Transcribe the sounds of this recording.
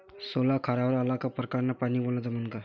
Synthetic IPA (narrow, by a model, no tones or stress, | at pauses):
solakʰaɾaʋəɾalakapɾəkaɾnapaniːboɭnad͡zamənka